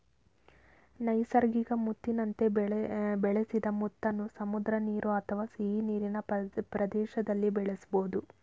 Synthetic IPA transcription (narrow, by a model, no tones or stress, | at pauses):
nɐjsɐɾɡiɡɐmut̪ːinɐnt̪e̞bɛɭesid̪ɐmut̪ːɐnːusɐmud̪ɾɐniːɾʔuɐt̪ʰɐʋaːsiɦiniːɾinɐpɾɐd̪ɛːʃɐd̪ɐlːibɛɭesuboːd̪u